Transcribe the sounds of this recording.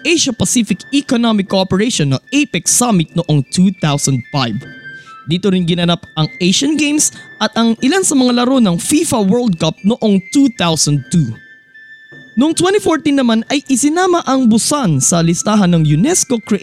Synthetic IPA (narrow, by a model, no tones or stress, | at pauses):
ʔejʃɐpɐsifɪkikonomɪkːopɛɹeʃonːɐʔejpɛksamɪt̪̚noʔoŋt̪ʰut̪awsɐnd̪̚fajvd̪iːt̪oɾɪnɡɪnɐnapɐŋejʃɐnɡejmsʔɐt̪ɐŋʔɪlansɐmɐŋalɐɾo̞nɐŋfifɐwɛɹld̪̚kap̚noʔo̞ŋt̪ut̪awsɐnd̪̚t̪u | noʔoŋt̪wɛnt̪ifoɹt̪inːɐmanɐjʔɪsɪnaːmɐʔɐŋbʊsansɐlɪst̪aːɦɐnːɐŋjʊnɛsko̞kɹɛʔ